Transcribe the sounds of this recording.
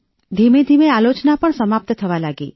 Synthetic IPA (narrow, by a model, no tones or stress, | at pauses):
d̪ʱimẽd̪ʱimealot͡ʃnapəɳ̃səmap̚t̪ət̪ʰəʋalaɡḛ